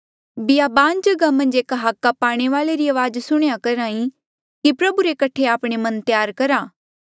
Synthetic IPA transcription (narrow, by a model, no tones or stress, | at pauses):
bɪjabaːnd͡ʒɐɡamɐ̃nd͡ʒeːkɦaːkːapaːɽ̃eʋaːleɾiɐʋaːd͡ʒsʊɽ̃jakɐɾãːĩ | kipɾɐbuɾekɐʈʰeaːpɽ̃emɐnt̪jaːɾkɐɾaː